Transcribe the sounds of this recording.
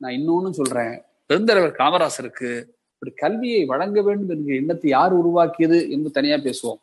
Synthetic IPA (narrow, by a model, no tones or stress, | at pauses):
nãːɪnːoːnːɯsɔlɾẽː | t̪ɛɾɯnd̪ɐɾɐʋɐɾkaːmɐɾaːsɪɾɯkːɯ | ɐpːɐɽikɐlʋɪjɐɪʋɐɻɐŋɡɐʋeːɳɖɯmɛnɡɪɾɐɪɳːɐt̪ːɐjaːɾʊɾʊʋaːkːɪjɐðɯʔɛnbɯt̪ɐnɪjaːp̬eːsɯʋõ̰ːm